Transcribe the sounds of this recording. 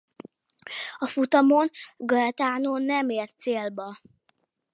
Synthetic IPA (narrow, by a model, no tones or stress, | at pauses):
ɒfut̪ɒmonɡɒɛt̪aːnoːnːɛmeːrt̪seːlbɒ